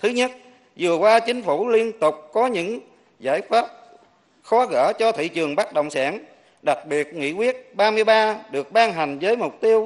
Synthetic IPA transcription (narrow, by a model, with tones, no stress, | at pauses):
t̪ʰɨ˨˦ɲə˦˥t̚ | zɨ˨˩əkwaː˧t͡ɕï˨˦ŋ̟fu˧˩li˧ənt̪ʊ˨˩k͡p̚kɔ˨˦ɲɨ̰˧˥ŋ | za̰ː˧˥˩jfaː˦˥p̚ | xɔ˨˦ɣə̰ː˧˩t͡ɕɔ˧t̪ʰḭ˧˨t͡ɕɨ˨˩əŋɓa˦˥k̚ɗə̰˧˨wŋ͡msaː˧˩n | ɗa˨˩k̚ɓi˨˩ət̚ŋḭ˧˥kwi˦˥ət̚ɓaː˧mɨ˧əjɓaː˧ɗɨ˨˩ək̚ɓaː˧nɦa˨˩jŋ̟zəː˨˦jmʊ˨˩k͡p̚t̪i˧əw